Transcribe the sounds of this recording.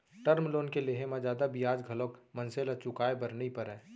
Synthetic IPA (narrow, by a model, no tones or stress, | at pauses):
ʈəɾmloːnkeleːɦẽmãd͡ʒaːd̪abiaːd͡ʒɡʱəlokmənselat͡ʃʊkaːebəɾnipəɾɛː